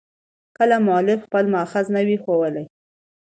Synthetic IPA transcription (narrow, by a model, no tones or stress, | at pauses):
kəlamʊɑlɪfxpəlmʊaxaznawixowəlaj